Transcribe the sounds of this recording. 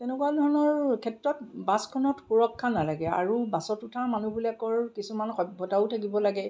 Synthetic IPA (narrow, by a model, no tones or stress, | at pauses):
tɛnɛkuadʱɔɹnɔɹkʰɛtɹɔt̚baskʰɔnɔtxuɹɔkʰːanalaɡɛa̰ɹubasɔtutʰamanubulakɔɹkisumanxɔbʱːɔtaʊtʰak̬ibɔlaɡɛ